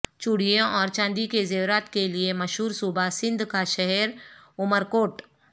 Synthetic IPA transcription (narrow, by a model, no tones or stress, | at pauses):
t͡ʃʊɽ̤ijẽɔːɾt͡ʃãːnd̪ikezeːwɾaːt̪keliemɐʃɦuːɾsuːbʱasɪ̃nd̪ʱkaʃɛɦɛɾʊməɾkoːʈ